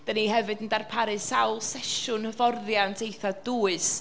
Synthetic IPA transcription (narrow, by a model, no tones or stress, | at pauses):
d̥əniɦɛvɨdəndarpʰaɾɨsawlˠsɛʃʊnhəvɔrðjantʰejθad̥uːɨs